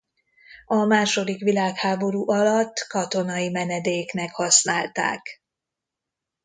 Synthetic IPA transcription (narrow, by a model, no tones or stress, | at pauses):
ɒmaːʃo̞d̪ikʋilaːkhaːbo̞ɾuːʔɒlɒt̪ːkɒt̪o̞nɒjimɛnɛd̪eːknɛkhɒsnaːlt̪a̰ːk